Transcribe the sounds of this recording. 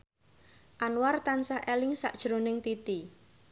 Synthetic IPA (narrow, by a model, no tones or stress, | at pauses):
ʔanwart̪ansahʔɛlɪŋsa̰ʔd̥ʒ̥ɾonɪŋt̪it̪i